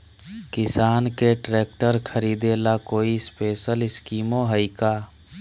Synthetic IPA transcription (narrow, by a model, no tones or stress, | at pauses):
kɪsaːnkeʈɾeːk̚ʈəɾkʰəɾiːd̪elakoːispeːʃəlɪskiːmoɦəikaː